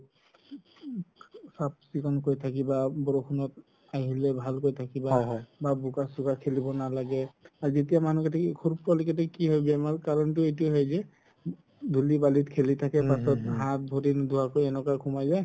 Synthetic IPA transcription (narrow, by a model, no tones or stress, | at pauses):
sap̚sikɔnkojtʰak̬ibabɔɹokʰunɔt̚ | ajɦilɛbʱalkojtʰakibababukasukakʰelibɔnalaɡɛaɹzetijamanukatʰɛkʰuɹuppɔlikɛtʰɛkiɦɔjbɛmalkaɹɔntʊet̬iɔɦɔjzɛ | dʱulibalitkʰelitʰakɛpasɔtɦat̚bʱoɾindʱuwakojɛnɔkakʰumajzaj